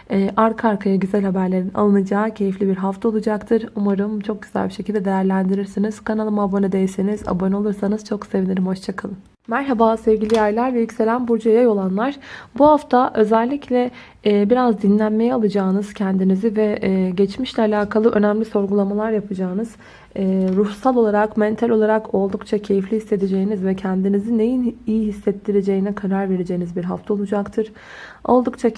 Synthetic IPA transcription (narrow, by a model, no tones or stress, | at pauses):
ɛːʔaɾkʰaɾkʰajaɟyzælʲhabæɾlʲe̞ɾina̰lˠɯnɯd͡ʒaːcʰe̞jiflʲibiɾɦaft̪ʰao̞lˠud͡ʒakt̪ʰɯɾumaɾɯmt͡ʃʰo̞k̚ɟyzæ̰lʲbiʃecʰilʲd̪ɛd̪e̞jæɾlʲænd̪iɾiɾsiniz̥kʰanalˠɯmabonɯd̪ejisiniza̰bono̞lˠuɾsanɯz̥t͡ʃʰo̞ksevinʲiɾʲimho̞ʃt͡ʃʰakʰalˠɯm | mæɾɦabaːsɛvɟilʲijajlʲˠaɾvɛjycse̞lʲænbuɾd͡ʒujajo̞lˠanlˠaɾ̥buɦaft̪ʰaʔø̞zɛlʲːiclʲɛ | biɾazd̪inlʲænmejɛalˠɯd͡ʒaːnɯz̥cʰɛnd̪inizivɛɟɛt͡ʃmiʃlʲɛalʲaːkʰalˠɯʔø̞næmlʲiso̞ɾɡulˠamalˠaɾjapʰɯd͡ʒaːɯnɯz̥ | ɛːɾuhsalˠo̞lˠaɾakmɛnt̪ʰalʲo̞lˠaɾako̞lˠd̪ukt͡ʃʰacʰe̞jiflʲihisːe̞d̪ed͡ʒe̞jinizvɛcʰɛnd̪inizine̞jinijiɦisːɛt̪ːiɾed͡ʒe̞jinɛkʰaɾaɾve̞ɾed͡ʒe̞jinizbiɾɦaft̪ʰao̞lˠud͡ʒakt̪ʰɯɾ̥ | o̞̰lˠd̪ukt͡ʃʰa